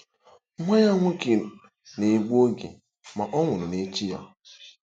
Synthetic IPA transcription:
ŋʷa˦ɲa˦ŋʷʊ˦ki˨ | ne˨ɡ͡bo˦ɡḛ˨ | ma˨ʔɔ˦ŋʷʊ˨nʊ˨ne˨˦t͡ʃi˦ja̰˨

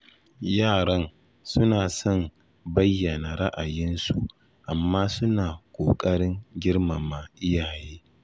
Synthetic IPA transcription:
jaː˦˨ɾɐ˦n | sʊ˦naː˨sɔ˦˨m | bɐ˦jːɐ˨na˨ɾa˦ʔa˨jɪ˦nsu˨ | ʔa˨mːaː˦sʊ˦naː˨kʷʼoː˨kʼɐ˦ɽɪ˦ŋɡʲɪ˦ɽma˨ma˨ʔɪ˦jaː˨jeː˦

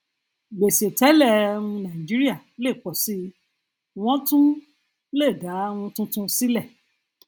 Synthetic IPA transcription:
ɡ͡be˨se˨tɛ˨˦lɛ˦˨˧ũ˧nã˨i˨d͡ʒi˦ɾi˦a˦˨le˦˨k͡pɔ˨si˦ | w̃ɔ̃˦tũ˦ | le˦˨da˨˦w̃ũ˧tũ˦tũ˧si˦lɛ˦˨

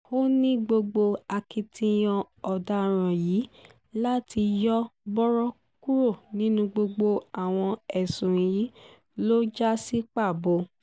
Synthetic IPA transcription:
o˦nĩ˦ɡ͡bo˧ɡ͡bo˧a˧ki˧tʰĩ˧j̃ɔ̃˧ | ɔ˨da˦ɾ̃ã˨jiː˨˦ | la˦ti˧jɔ˦bɔ˦ɾɔ˦ | ku˦ɾo˦˨nĩ˦nũ˧ɡ͡bo˧ɡ͡bo˧a˨w̃ɔ̃˧ɛ˨sũ˨ji˨˦ | lo˦d͡ʒa˦si˦k͡pa˦˨bo˧˦

